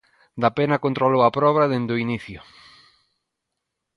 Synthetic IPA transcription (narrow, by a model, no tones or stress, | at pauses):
d̪apenɐkont̪ɾolowɐpɾɔβɾɐðend̪oiniθjʊ